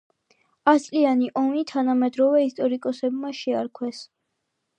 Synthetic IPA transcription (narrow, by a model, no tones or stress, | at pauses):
ast̪sʼlianiʔɔmit̪ʰanamɛd̪ɾɔvɛist̪ʼɔɾikʼɔsɛbmaʃɛaɾkʰwɛs